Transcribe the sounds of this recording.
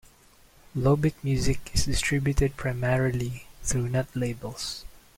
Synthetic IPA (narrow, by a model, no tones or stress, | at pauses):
lobɪk̚mjʉzɪkɪsdɪstʰɹɪbjʊtɨd̚pʰɹaɪmɛɹiliθɹunɛt̪leɪbəlˠs